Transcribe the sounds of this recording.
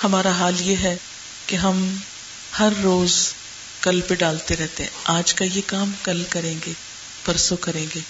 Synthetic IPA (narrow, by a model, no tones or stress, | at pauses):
hɐmaːɾaɦaːljeɦɛ | keɦɐm | hɐɾːoːz | kɐlpeɖaːlt̪eɾɛɦt̪eɦɛ̃ʔaːd͡ʒkajekaːmkɐlkɐɾẽːŋɡeː | pɐɾsokɐɾẽːŋɡeː